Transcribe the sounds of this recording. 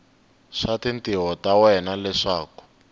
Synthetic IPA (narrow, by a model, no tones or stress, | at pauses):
ʂatintiɦɔtawɛnalɛʂaːku̥